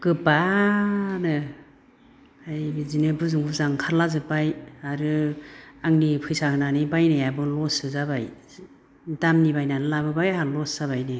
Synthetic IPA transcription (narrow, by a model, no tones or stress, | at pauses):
kɯpa | nɯ | ajizinɯbɯzɯŋbuzaŋkʰaɾlazɯpajaɾɯ | aŋnipʰɯjsahɯnanibajnejabɯlɔsɯzabaj | damnibajnanɯlabɯbajalɔsz̥aβajnɯ